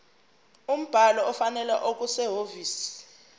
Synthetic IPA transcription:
um̩b̥ʱalɔɔfanɛla̰ʔok̬ʼusɛɦoviːsi̥

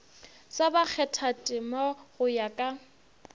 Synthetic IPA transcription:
sabak͡xʰɛtʰatʼɪmaɣʊjakʼa

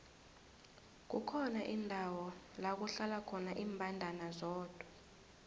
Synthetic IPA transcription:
k̬ukʰɔnaʔindʱawɔlak̬uɬalakʰɔnaʔiːmbʱandʱanazɔːd̥ʱwa

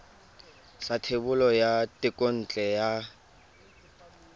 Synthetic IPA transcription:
satʰebʊlɔjatʼɪkʼon̩ːt͡ɬʼɛja

